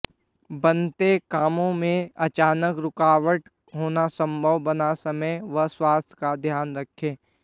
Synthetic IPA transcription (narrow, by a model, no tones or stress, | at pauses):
bɐnt̪ekaːmõmẽɐt͡ʃaːnəkɾʊkaːʋəʈ | ɦoːnasə̃mbʱəʋbɐnasɐməjʋəɦswaːst̪ʰjkad̪ʱjaːnɾɐkʰːeː